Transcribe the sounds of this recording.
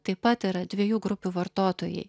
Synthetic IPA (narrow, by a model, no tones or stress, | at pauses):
t̪ɐɪpːɐt̪iɾɐd̪ʲʋʲiɛjuːɡɾʊpʲuːʋɐɾt̪oːt̪oːjɛ̰ɪ